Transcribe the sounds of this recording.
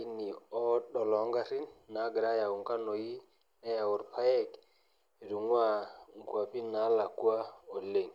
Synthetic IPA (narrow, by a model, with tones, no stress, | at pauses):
i˦ni˨ɔ˦ɗɔ˨lɔ˨˦ŋɡa˦ɾi˦nːa˨˦ɡɾa˦ja˨ʊ˨ŋka˦no˨ji˦ | nɛ˦ja˨ʊ˨ɾpa˦jɛ˦k | ɾu˨ŋwa˦ŋkwa˨pi˦na˨˦la˨kwa˦o˨le˦˨ŋ